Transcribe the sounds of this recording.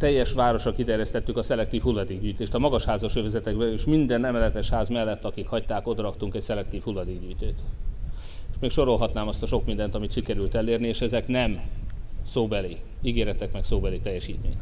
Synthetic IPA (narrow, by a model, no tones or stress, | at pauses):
t̪ɛjːɛʃʋaːɾo̞ʃɒkit̪ɛrjɛst̪ɛt̪ːykɒsɛlɛk̚t̪iːfhulːɒd̪eːɡɟyːjt̪eːʃt̪ɒmɒɡɒʃhaːzɒʃøːvɛzɛt̪ɛɡbɛeʃmind̪ɛnɛmɛlɛt̪ɛʃhaːzmɛlːɛt̪ːɒkikhɒc̚t̪aːko̞d̪ɒɾɒkt̪uŋkɛcsɛlɛk̚t̪iːfhulːɒd̪eːɡɟyːjt̪øːt̪ | eʃmeːkʃo̞ɾo̞lɦɒt̪naːmɒst̪ɒʃo̞kmind̪ɛnt̪ɒmit̪ʃikɛɾylt̪ɛlːeːrnieːʃɛzɛknɛm | soːbɛliː | iɡeːɾɛt̪ɛkmɛksoːbɛleːt̪ɛjːɛʃiːt̪mḛːɲ